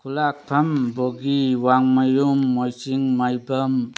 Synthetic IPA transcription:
kʰulak̚pʰamboɡiwaŋmajumːojsiŋmajbəm

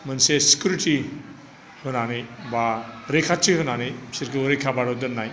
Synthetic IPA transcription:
mɐnsesi̥kjuɾiti | hɯnanijbaɾekʰatːiɦɯnanijsiɾkɯuɾekʰabaɽɔwdɐnːaj

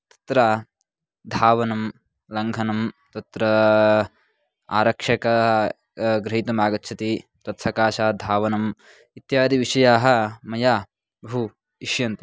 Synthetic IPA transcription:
t̪ɐ̥t̪ɾa | d̪ʱaːʋɐnɐm | lɐŋɡʱɐnɐmt̪ɐt̪ɾɐ | aːɾɐkʂɐkɐ | ɡɾɐɦit̪umaːɡɐt̪t͡ʃʰɐt̪i | t̪ɐt̪fʰɐkaːʃaːd̪ʱaːʋɐnɐm | it̪jaːd̪ʱiʋiʂɐjaːɦɐ̆mɐjaː | bɐɦu | iʃjɐnt̪ɐ

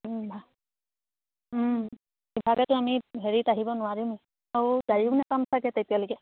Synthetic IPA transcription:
bʱa | bibʱaɡɛtʊamiɦeɹitaɦibɔnʊaɹim | awdaɹinɛkamsakɛtetijalokɛ

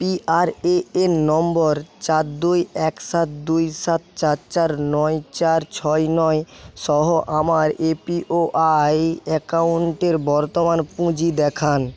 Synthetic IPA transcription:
piʔaɾeenːɔmboɾt͡ɕat̪d̪ujɛksat̪̚d̪ujsat̪̚t͡ɕatt͡ɕaɾnɔjt͡ɕaɾt͡ɕʰɔjnɔjʃɔɦoʔamaɾepiʔoʔajɛkauɳʈeɾbɔɾt̪omanpũd͡ʑid̪ɛkʰan

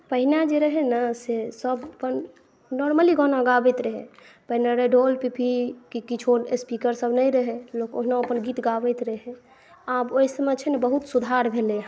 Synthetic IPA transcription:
pəɦinad͡ʒeɾəɦɛnəsesəbəpən | nɔɾməliɡɔnaɡabɛt̪ɾəɦḛ | pəɦinaɾəɖolpipikikit͡ʃʰospikəɾsəbnəjɾəɦɛlokoɦnaəpənɡit̪ɡabɛt̪ɾəɦe | aboisəmẽt͡ʃʰɛnebəɦut̪sud̪ʱaɾbʱele

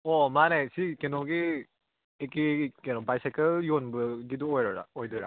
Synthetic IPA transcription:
ɔmanajsikenɔɡi | ekikenɔbajsakɐljonbɯɡiduojɾɔɾa̰ojdɯɾa̰

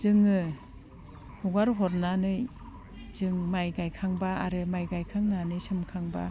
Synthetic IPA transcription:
z̥ɯŋɯ | huɡaɾɦɔɾnanɯj | z̥ɯŋmajɡajkʰaŋbaa̰ɾɯmajɡajkʰaŋnanɯjsɯmkʰaŋba̰

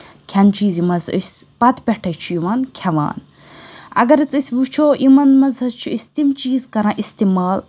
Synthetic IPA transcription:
kʰɐnt͡ʃiːzimɐzə̰sʲpɐt̪pʲɛʈʰɐjt͡ʃʰujiʋɐnkʲʰɐʋa̰ːn | ɐ̰ɡɐɾɐt͡sɨsʲbut͡ʃʰoːʔimɐnmɐzɦɐt͡ʃʰuisʲt̪imt͡ʃiːzkɐɾãːʔist̪imaːl

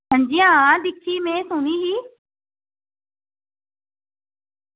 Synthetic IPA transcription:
sə̃nd͡ʒijãːd̪ɪkʰːiːmẽːsʊniːɦiː

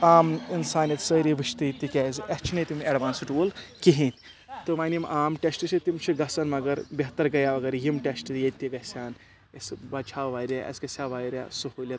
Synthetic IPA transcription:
aːminsaːnit̪səːɾibɨʃt̪it̪ikʲɛːzɐst͡ʃʰinɐt̪imɐɖʋaːnsɨʈʋulkiɦĩt̪ʲ | t̪ɨmaːnimʔaːmʈesʈɨt͡ʃʰit̪imt͡ʃʰiɡɐsɐnmɐɡɐɾbʲeɦt̪ɐɾɡɐjaʋɐɡɐɾjimʈʲesʈɨt̪jet̪iɡɐsʲaːn | ɐsbɐt͡ʃʰaːʋaːjɾʲaɐ̰skɐsʲaːʋaːjɾʲa̰suhuːlʲɐt̪

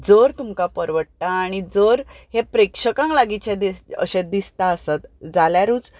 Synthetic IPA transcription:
d͡zəɾt̪umkapəɾʋəʈtaːɽ̃id͡zəɾhepɾekʂəkãŋklaɡit͡ɕed̪iə̰ɕed̪ist̪aəsət̪d͡zaljaɾuːt͡s

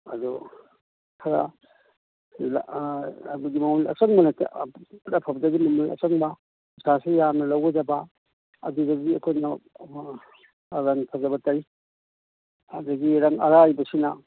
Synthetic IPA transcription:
ɐ̰du | kʰɐɾa | l | buɡimɐmulɐ̰t͡ʃɐŋbɐnɐttɐpʰɐbdɐɡimɐmulɐ̰t͡ʃɐŋbɐ | isʰasejamnɐlawɡɐd͡ʒɐba | ɐdudɐiɐkʰojna | ɾɐŋpʰɐzɐbɐtɐj | ɐdɐɡiɾɐŋɐɾajbɐsinɐ

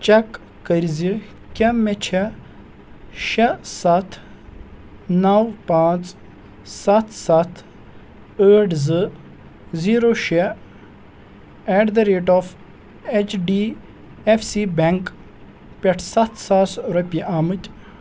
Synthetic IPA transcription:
t͡ʃɐkː | əɾʲzi | kʲɐmːet͡ʃʰɛ | ʃɐsɐt̪ʰ | nɐwpãːt͡s | sɐt̪ʰsɐt̪ʰ | əːʈzɨ | ziːɾoʃe | ɛɖd̪ɐɾeːʈɔːf | et͡ʃɖi | efsibeŋk | pʲɐʈʰsɐt̪ʰsasɾɐpʲiʔamɨt̪ʲ

